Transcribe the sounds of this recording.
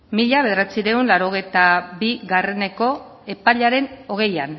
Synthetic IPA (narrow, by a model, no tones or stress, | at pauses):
miʎaβe̞ðɾat͡siɾe̞unlaɾo̞ɣ̞ejt̪aβiɣare̞ne̞ko̞ | e̞paʎaɾe̞no̞ɣ̞e̞jan